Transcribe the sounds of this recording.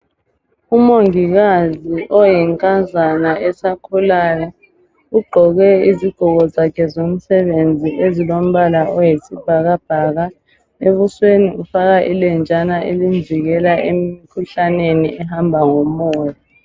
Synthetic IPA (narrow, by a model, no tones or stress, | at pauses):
umoŋiɣaziʔɔjɛŋkʼazanaɛsakʰulaːla | uɡ͡ǃʱɔɣɛiziɡ̥ʱɔɣɔzakʰɛzom̩sɛβend͡zʱiʔezilom̩βalaʔɔjesib̥ʱaɣab̥ʱaɣa | eβusweniufaɣaʔilɛnd͡ʒʱʼanaʔelind͡zʱiɣɛlaʔemikʰuɬaneniʔɛhambʱaŋomɔːja